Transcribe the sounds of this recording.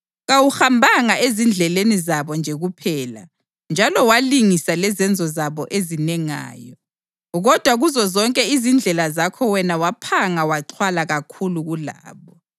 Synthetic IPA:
ɣawuxambʱaŋaʔezind͡ɮʱɛlenizaβɔnd͡ʒʱeɣupʰɛːla̰ | nd͡ʒʱalɔwaliŋisalɛzɛnd͡zʱɔzaβɔʔezinɛŋa̰ːjɔ | ɣɔd̥ʱwaɣuzɔzɔŋkʼɛizind͡ɮʱɛlazakʰɔwɛnawapʰaŋawaǃʰwalaɣakʰuluɣula̰ːβɔ

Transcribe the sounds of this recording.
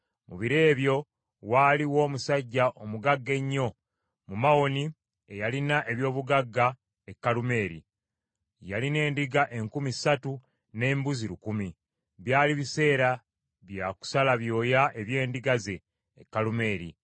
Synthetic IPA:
muβiɾe̞ːβjo̞ | waːliwo̞ːmusaɟːaʔo̞muɡaɡːe̞ɲːo̞ | mumawo̞ni | e̞jalinaʔe̞βjo̞ːβuɡaɡːa | e̞kːalume̞ːɾḭ | jaline̞ːndiɡaʔe̞ŋkumisatu | ne̞ːmbuziɾukumi | βjaːliβise̞ːɾa | βjaku̥salaβjo̞ːjaʔe̞βje̞ːndiɡaze̞ː | kːalume̞ːɾḭ

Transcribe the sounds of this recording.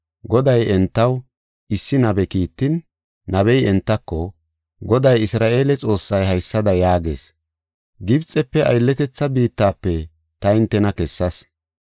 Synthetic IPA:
ɡɔd̪ɐjɛnt̪ːɐw | ʔɪsːɪnɐbɛkiːt̪ːɪnː | ɐβɛjɛnt̪ːɐkːɔ | ɡɔd̪ɐjɪsɾaːʔe̞ːlɛt͡sʼo̞ːsːɐjhɐjsːɐd̪ɐjaːɡe̞̰ːs | ɡɪbt͡sʼːɛpːɛʔɐ̰jlːɛt̪ɛt͡sːɐbiːt̪ːaːpːɛ | t̪ɐɪnt̪ːɛnɐkɛsːɐs

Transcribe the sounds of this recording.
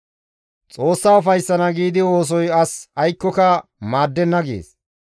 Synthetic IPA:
t͡sʼo̞ːsːaːʊfɐjsːɐnɐɡiːd̪ɪwo̞ːs̬ɔjɐsɐjkːɔkɐmaːd̪ːɛnːɐɡḛːs

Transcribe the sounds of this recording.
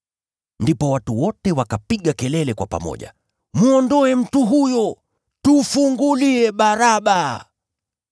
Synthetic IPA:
ndipɔwatuwɔtɛwakapiɠakɛlɛlɛkwa̰pa̰mɔ̰ʄa̰ | muɔndɔɛm̩tuɦujɔ | tufuŋɡuliɛɓaɾaɓa

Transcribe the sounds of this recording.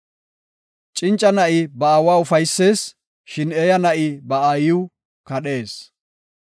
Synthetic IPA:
t͡ʃʼɪnt͡ʃʼːɐnɐʔɪbɐaːwaːʊfɐjsːe̞ːs | ʃɪneːjɐnɐʔɪbɐaːjɪw | kɐɗe̞ːs

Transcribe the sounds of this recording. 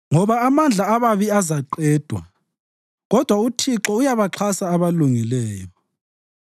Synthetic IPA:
ŋɔβaːmand͡ɮʱaaβaβiazaǃɛːd̥ʱwa̰ | ɣɔd̥ʱwautʰiǁɔujaβaǁʰasaːβaluŋilɛːjɔ

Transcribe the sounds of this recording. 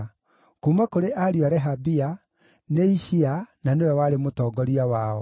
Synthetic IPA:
kumakoɾeʔaɾiaɾɛɦabia | neiʃiananewɛwaɾemotɔːɡɔɾiawaɔ

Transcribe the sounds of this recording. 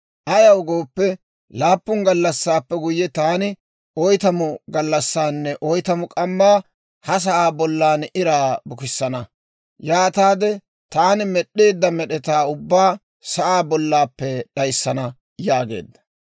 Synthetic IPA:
ʔɐjɐwɡoːpːɛ | laːpːʊŋɡɐlːɐsːaːpːɛɡʊjːɛt̪aːnɪ | ʔɔjt̪ɐmʊɡɐlːɐsːaːnːɛʔɔjt̪ɐmʊkʼɐmːaː | hɐs̬ɐʔaːbɔlːaːnɪɾaːbʊkɪsːɐnɐ | jaːt̪aːd̪ɛ | t̪aːnɪmɛɗːe̞ːd̪ːɐmɛɗɛt̪aːʊbːaː | sɐʔaːbɔlːaːpːɛɗɐjsːɐnɐ | jaːɡe̞̰ːd̪ːɐ̥

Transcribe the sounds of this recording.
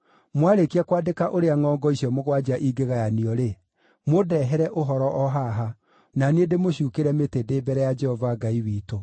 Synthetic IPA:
mwaɾekiakwaːdekaʔoɾeaŋɔːŋɡɔisiɔmoɣwad͡ʒaʔiɡeɣajaniɔɾe | modɛɦɛɾɛʔoɦɔɾɔʔɔɦaɦa | nanedemoɕuːkeɾɛmetedeːbɛɾɛjad͡ʒɛhɔvaɡaiwiːto

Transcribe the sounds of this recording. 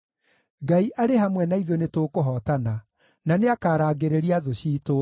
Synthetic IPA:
ɡaiʔaɾehamwɛnaiðonetoːkoɦɔtana | naneakaːɾaːɡeɾeɾiaðoɕiːto

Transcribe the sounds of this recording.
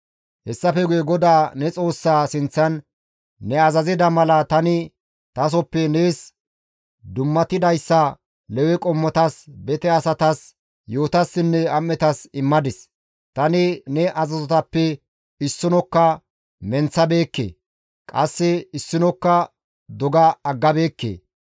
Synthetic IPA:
hɛsːɐfɛɡʊjɛɡɔd̪aːnɛt͡sʼo̞ːsːaːsɪnt͡sːɐnː | ɛɐzɐzɪd̪ɐmɐlɐt̪ɐnɪ | t̪ɐs̬ɔpːɛneːs | d̪ʊmːɐt̪ɪd̪ɐjsːɐ | lɛwɛkʼɔmːɔt̪ɐsbɛt̪ɛɐsɐt̪ɐs | joːt̪ɐsːɪnːɛɐmːɛt̪ɐsɪmːɐd̪ɪs | t̪ɐnɪnɛʔɐzɐzɔt̪ɐpːɛ | ɪsːɪnɔkːɐ | mɛnt͡sːɐbe̞ːkːḛː | kʼɐsːɪɪsːɪnɔkːɐ | d̪ɔɡɐːɡːɐbe̞ːkːḛː

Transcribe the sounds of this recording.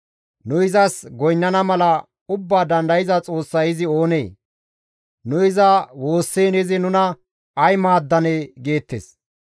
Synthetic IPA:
nʊɪzɐsɡɔjnːɐnɐmɐlɐ | ʊbːaːd̪ɐnd̪ɐjɪzɐt͡sʼo̞ːsːɐjɪzɪo̞ːne̞ː | nʊɪzɐwo̞ːsːeːnɪzɪnʊnɐ | ɐjmaːd̪ːɐneːɡe̞ːt̪ːḛs

